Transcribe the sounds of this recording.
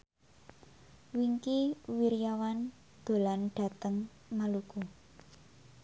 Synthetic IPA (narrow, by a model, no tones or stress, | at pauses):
wiŋkiwiɾijawan | d̪̥o̤lanɖ̥a̤t̪əŋ | maluku